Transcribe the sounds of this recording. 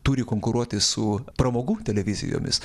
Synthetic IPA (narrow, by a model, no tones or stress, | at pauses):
t̪uːɾʲɪkoːŋkʊɾuɔt̪ʲɪsʊpɾɐmoːɡuːt̪ʲɛlʲɛʋʲɪzʲɪ̰jo̰ːmʲɪ̰s